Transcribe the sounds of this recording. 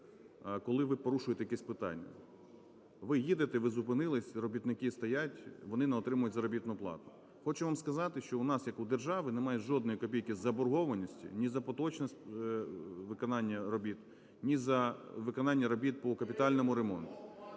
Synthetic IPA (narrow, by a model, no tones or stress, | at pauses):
kɔlˠɪʋɪpɔɾuʃʊjt̪ɛjɐkɛsʲpɪt̪ɑ̰nʲːɐ̰ | ʋɪjid̪ɪt̪ɛʋɪzʊpɪnɪlˠɪsʲrɔbʲit̪nɪkɪst̪ɐjatʲʋɔnɪnɛɔt̪ɾɪmʊjʊtʲzɐɾɔbʲit̪nʊplˠɑ̰t̪ʊ̥ | xɔt͡ʃʊʋamskɐzɑt̪ɪʃt͡ʃɔʊnɑsjɐkʊd̪erʒɑʋɪnemɑjɛʒɔd̪nɔjikɔpʲijkʲizɐbɔrɦɔʋɐnʲisʲtʲḭnʲizɐpɔt̪ɔt͡ʃnɔsʲ | ʋɪkɔnɑnʲːɐɾɔbʲit̪ | nʲizɐʋɪkɔnɑnʲːɐɾɔbʲit̪̚pɔkɐpʲit̪ɑlʲnɔmʊɾemɔnt̪ʊ̥